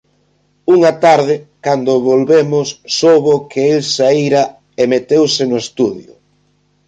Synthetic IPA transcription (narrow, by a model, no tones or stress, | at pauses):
uŋat̪aɾðɪkand̪ʊβolβemʊsːowβokʰeelsaiɾa | emet̪ewsɪnʊest̪uðjʊ̰